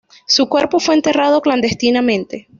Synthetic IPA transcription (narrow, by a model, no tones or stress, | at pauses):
sukwe̞ɾpo̞fwe̞ːnt̪e̞rað̞o̞kland̪e̞st̪inamẽ̞nt̪e̞